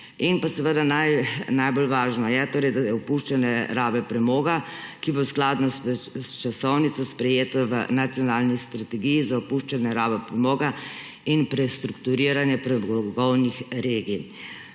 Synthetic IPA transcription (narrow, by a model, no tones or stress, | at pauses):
inpasɛʋəd̪anajnajbolʋaːʒnɔjɛt̪oːɾɛjd̪ajɛɔpuʃt͡ʃanɛɾaːbɛpɾɛmoːɡakibosklaːd̪nɔst͡ʃasɔwnit̪sɔspɾɛjeːt̪ɔʋə̰nat̪sijɔnaːlnist̪ɾat̪ɛɡijizaɔpuʃt͡ʃanɛɾaːbɛpɾɛmoːɡa | inpɾɛst̪ɾukt̪uɾiɾanjɛpɾɛmɡɔwnixɾeːɡij